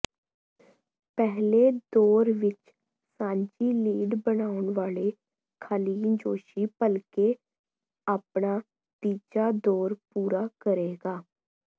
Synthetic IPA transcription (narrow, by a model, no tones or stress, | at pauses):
pɛɦleːd̪oːɾʋɪt͡ʃ | sãːɲd͡ʒiːliːɖbənaːʊɳʋaːleː | kʰaːliːd͡ʒoːʃiːpəlkeː | aːpɳaː | t̪iːt͡ʃaːd̪oːɾpuːɾaːkəɾeːɡaː